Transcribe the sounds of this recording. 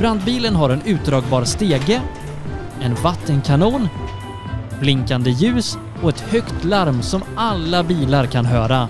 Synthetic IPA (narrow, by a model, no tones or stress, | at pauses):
b̥ɾand̪biːlənɦaɾɛnʉ̟ːt̪̚d̪ɾɑːɡ̚bɑːɾst̪eːɡə | ɛnvat̪ːənkʰanuːn | b̥lɪŋkand̪əjʉ̟ːs | ɔɛt̪hœkt̪laɾmsɔmalːabiːlaɾkʰanɦœːɾa